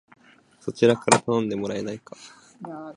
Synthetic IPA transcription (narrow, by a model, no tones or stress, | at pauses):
so̞t͡ɕiɾakaɾat̪anõ̞nd̪e̞mo̞ɾae̞naikḁ